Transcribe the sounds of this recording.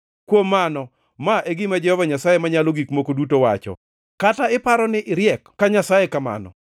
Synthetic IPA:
kwomːanɔ | maʔeɡɪmad͡ʒɛhɔvaɲasajemaɲalɔɡikmokodutowa̰t͡ʃɔ̰ | kataɪpaɾɔnɪʔɪɾjɛkːaɲasajekama̰nɔ̰

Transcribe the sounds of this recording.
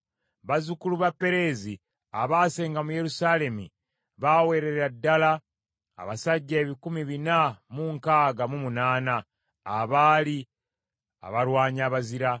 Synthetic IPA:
βazukuluβapːe̞ɾe̞ːzi | aβaːse̞ːŋɡamuje̞ɾusaːle̞mṵ | βaːwe̞ɾe̞ɾadːala | a̰βasaɟːaeβikumiβinamuŋkaːɡamumunaːnaː | βaːli | a̰βaɾwaːɲaːβaziɾa

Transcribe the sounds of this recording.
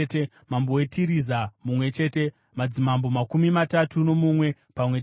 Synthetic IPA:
te | mambowetʰiɾizamumwe̞t͡ʃe̞ːte̞ | mad͡zimambo̞makumimatatuno̞mumwe̞ | pamwe

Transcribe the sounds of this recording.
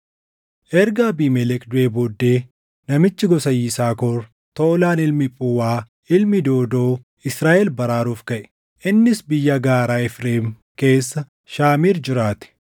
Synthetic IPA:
ʔɛɾɡaːbiːmɛlɛkd̪ʊʔeːboːd̪ːe̞ː | nɐmɪt͡ʃːɪɡɔsɐjiːsaːkɔɾ | t̪oːɔlaːnɪlmɪpʼuwaː | ɪlmɪd̪oːd̪o̞ː | ɪsɾaːʔɛlbɐɾaːɾuːfkɐʔɛ̥ | ʔɪnːɪsbɪjːɐɡaːɾaːɛfɾeːm | ke̞ːsːɐ | ʃaːmiːɾd͡ʒɪɾaːt̪ɛ̥

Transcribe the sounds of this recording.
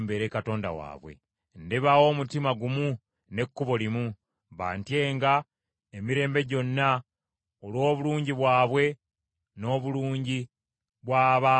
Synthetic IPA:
mbe̞ɾe̞kato̞ːnda̰wa̰ːβwḛ | ndeβawo̞ːmutimaɡumu | ne̞kːuβo̞limu | βa̰ːntje̞ːŋɡa | emiɾe̞ːmbe̞ɟo̞nːa | olwo̞ːβuluːɲɟiβwaːβwe̞ | no̞ːβuluːɲɟi | βwaːβa

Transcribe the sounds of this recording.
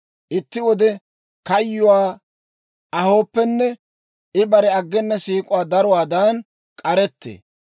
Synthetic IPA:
ʔɪt̪ːɪwɔd̪ɛ | kɐjːʊwaː | ʔɐho̞ːpːɛnːɛ | ʔɪbɐɾɛɐɡːɛnːɐsiːkʼʊwaːd̪ɐɾɔwaːd̪ɐn | kʼɐɾɛt̪ːḛː

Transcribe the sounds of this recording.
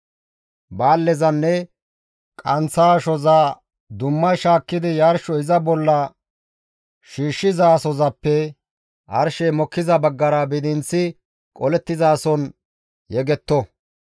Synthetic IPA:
baːlːɛzɐnːɛ | kʼɐnt͡sːaːʃɔzaː | d̪ʊmːɐjʃaːkːɪd̪ɪjaːɾʃɔɪzɐbɔlːɐ | ʃiːʃːɪzaːsɔzɐpːɛ | ʔɐ̰ɾʃɛjmɔkːɪzɐbɐɡːɐɾɐbɪd̪ɪnt͡sːɪ | kʼɔlɛt̪ːɪzaːsɔn | jɛɡɛt̪ːɔ

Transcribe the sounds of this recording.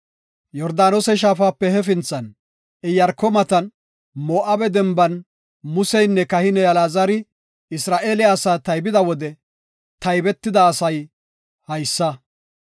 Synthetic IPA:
jɔɾd̪aːnoːsɛʃ̬aːfaːpːɛhɛfɪnt͡sːɐn | ɪjɐɾkːɔmɐt̪ɐn | moːʔɐbɛd̪ɛmbɐn | mʊsɛjnːɛkɐhɪnɛjɐlaːzɐɾɪ | ɪsɾaːʔeːlɪasaːt̪ɐjbɪd̪ɐwɔd̪ɛ | t̪ɐjbɛt̪ːɪd̪ɐːsɐj | hɐjsːɐ

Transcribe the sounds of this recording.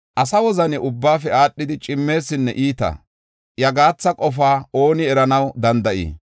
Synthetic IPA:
ʔɐsɐwɔzɐnɛʊbːaːfɛaːɗːɪd̪ɪt͡ʃʼɪmːe̞ːsːɪnːɛ̰ʔiːt̪ɐ̰ | jɐɡaːt͡sːɐkʼɔfaːo̞ːnɪɛɾɐnɐwd̪ɐnd̪ɐʔḭː

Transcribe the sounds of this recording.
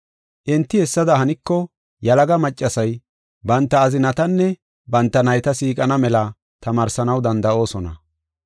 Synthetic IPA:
ʔɪnt̪ːɪhɛsːɐd̪ɐhɐnɪkːɔ | jɐlɐɡɐmɐt͡ʃʼːɐsɐj | bɐnt̪ːɐːzɪnɐt̪ɐnːɛ | bɐnt̪ːɐnɐjt̪ɐsiːkʼɐnɐmɛlɐ | t̪ɐmaːɾsɐnɐwd̪ɐnd̪ɐʔo̞ːsɔnɐ̰

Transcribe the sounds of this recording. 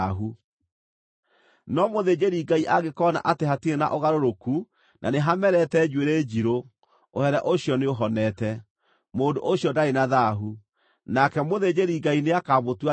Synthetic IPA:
ɦu | nɔmoðed͡ʑeɾiɡaiʔaɣekɔna̰ʔateɦatiena̰ʔoɣaɾoɾoku | nʔa̰neɦamɛɾɛtɛd͡ʒweɾeːd͡ʑiɾo | ohɛɾɛʔoɕjɔneoɦɔnɛtɛ | moːndo̰ʔoɕjɔdaenaðaɦu | nakɛmoðed͡ʑeɾiɡaineakaβotwa

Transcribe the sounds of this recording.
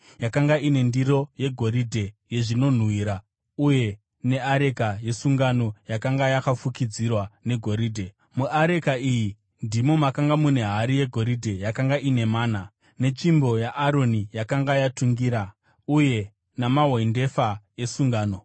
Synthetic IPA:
jakaŋɡaine̞ndiɾo̞je̞ɡʱo̞ɾidʱe̞je̞ʐino̞n̤wiːɾa | uje̞ | ne̞aɾe̞kaje̞suŋɡano̞jakaŋɡajakafukid͡zirwane̞ɡʱo̞ɾiːdʱe̞ | muʔaɾe̞kaiji | ndimomakaŋɡamune̞ɦaɾije̞ɡʱo̞ɾidʱe̞jakaŋɡaʔine̞maːna | ne̞t͡ʃimbo̞jaʔːɾo̞nijakaŋɡajatuŋɡiɾa | uje̞ | namaɦoinde̞faje̞suŋɡaːno̞

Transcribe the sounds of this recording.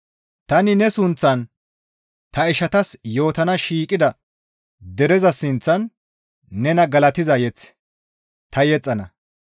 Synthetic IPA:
t̪ɐnɪnɛsʊnt͡sːɐn | t̪ɐɪʃɐt̪ɐsjo̞ːt̪ɐnɐʃiːkʼːɪd̪ɐ | d̪ɛɾɛzɐsɪnt͡sːɐnː | ɛnɐɡɐlɐt̪ɪzɐjɛt͡sː | t̪ɐjɛt͡sʼːɐnɐ

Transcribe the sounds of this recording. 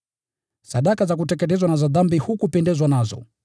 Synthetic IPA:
saɗakazak̬utɛkɛtɛzwanazaðambihukupɛndɛzwanazɔ̰

